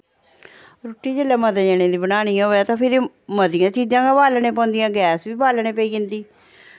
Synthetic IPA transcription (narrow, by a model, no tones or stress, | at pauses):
ɾoːʈːiːd͡ʒelːɛːməd̪ːd͡ʒeːñẽːd̪iːbənaːñijãːɦoːɛːt̪ãːpʰɪɾ | məd̪ɪjãːt͡ʃiːd͡ʒãːɡãːbaːlnẽːpɔ̃ːnd̪ɪjãːɡɛːsʋiːbaːlnẽːpəiːɪnd̪iː